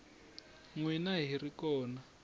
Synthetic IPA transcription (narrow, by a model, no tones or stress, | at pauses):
ŋwinaɦirikɔːna